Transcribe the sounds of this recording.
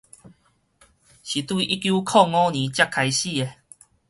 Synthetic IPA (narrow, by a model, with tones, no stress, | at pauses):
ɕi˨t̪wi˥˧ʔi˦kju˦kʰɔ˥˧ŋɔ̃˦nĩ˨˦t͡ɕja˦kʰːa˧jɕi˥˧˨e˨